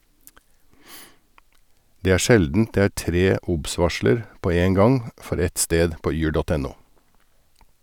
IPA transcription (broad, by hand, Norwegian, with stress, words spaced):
ˈdeː ˈæːɾ ˈʃɛldn̩t ˈdeː ˈæːɾ ˈtɾeː ˈʊbˌsʋɑʃləɾ ˈpoː ˈeːŋ ˈɡɑŋ ˈfɔɾ ˈɛt ˈsteːd ˈpoː ˈyːɾ ˈdoːt ˈɛn ˈuː